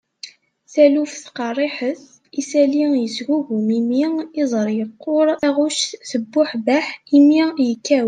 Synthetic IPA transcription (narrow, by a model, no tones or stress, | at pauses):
θælufθqɑrˤːiħəθ | isælijəsɣuɣumimiɪzˤəɾˤjəqːoɾˤæʁuʃθəbːʊħbæħimijəkːæw